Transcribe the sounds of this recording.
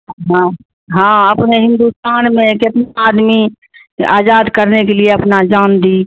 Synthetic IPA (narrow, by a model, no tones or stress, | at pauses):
ɦã | ɦãəpneɦɪ̃nd̪ust̪aːnmẽkɪt̪naaːd̪mi | a̰ːd͡ʒaːd̪kəɾnekelieɐpnad͡ʒaːnd̪i